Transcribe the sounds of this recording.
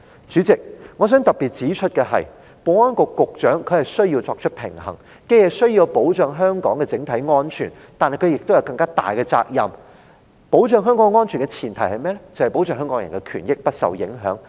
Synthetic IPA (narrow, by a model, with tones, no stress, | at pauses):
t͡ʃyː˨˥t͡sɪ˨k̚ŋɔː˨˧s̬œː˨˥ŋt̪ɐ˨p̚piː˨˩t̚t͡siː˨˥t͡ʃʰɵ˥t̚kɛː˧ɦɐ̰˨j | po˨˩ɔː˥nkʊ˧kʊ˨k̚t͡ʃœː˨˥ŋkʰɵ˨˧ɥhɐ˨jsɵ˥ɥjiː˧wt͡sɔː˧k̚t͡ʃʰɵ˥t̚pʰɪ̰˨˩ŋɦɐ̰˨˩ŋ | ke˧jhɐ˨jsɵ˥ɥjiː˧wpo˨˥wt͡ʃœː˨ŋɦœː˥ŋkɔː˨˥ŋkɛː˧t͡sɪ˨˥ŋt̪ʰɐ˨˥jŋɔː˥nt͡ʃʰy̰ː˨˩n | t̪aː˨nhɐ˨jkʰɵ˨˧jɪ˨k̚t̪o˥jɐ˧wkɐ˧ŋkaː˥t̪a̰ː˨jkɛː˧t͡sa̰ː˧k̚jɐ̰˨m | po˨˥wt͡ʃœː˨ŋɦœː˥ŋkɔː˧˥ŋŋɔː˥nt͡ʃʰyː˨˩nkɛ˧t͡sʰiː˨˩nt̪ʰɐ˨˩jhɐ˨jmɛː˥lɛ˥t͡sɐ˨˩hɐ˨jpo˨˥wt͡ʃœː˧ŋɦœː˥ŋkɔː˨˥ŋjɐ˨˩ŋkɛ˧kʰyː˨˩njɪ˥k̚pɐ˥t̚sɐ̰˨wjɪ̰˨˥ŋɦœ̰ː˨˥ŋ